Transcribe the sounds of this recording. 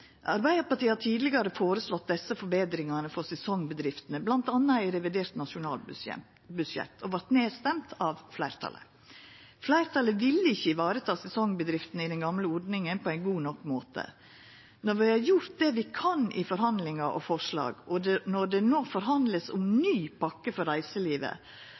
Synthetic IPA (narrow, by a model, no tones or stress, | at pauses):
ʔɑ̰ɾbæɪd̪əɾpɑɾʈ̪iːhɑt̪ʰiːd̪lɪɡɑɾəfoːɾəslɔt̪̚d̪ɛsːəfɔɾbeːd̪ɾɪŋɑnəfɔɾsɛsɔŋbəd̪ɾɪft̪ənəblɑnt̪ɑnːəæɪɾɛʋɪd̪eːɾt̪nɑʂʊnɑ̰ːlɛ̰ | bʉʂɛ̰t̪ːʰɔʋɑɾt̪neːst̪ɛmt̪ʰɑʋflæɪɾt̪ʰɑ̰lə̰ | flæɪɾt̪ʰɑləʋɪlːəɪçːəʋɑːɾət̪ʰɑːsɛsɔŋbəd̪ɾɪft̪ənəɪd̪ɛnɡɑmləɔɾɖnɪŋənpʰɔæɪnɡuːnɔkːmoːt̪ʰə̰ | nɔɾʋɪhɑɾjʊɾt̪̚d̪ɛʋɪkʰɑnʔɪfɔɾɦɑnd̪lɪŋɑʔɔ̰fɔʂlɑ̰ːɡɔnɔɖɛnoːfɔɾɦɑnd̪ləsʊmnyːpʰɑkːəfɔɾæɪsəliːʋə̰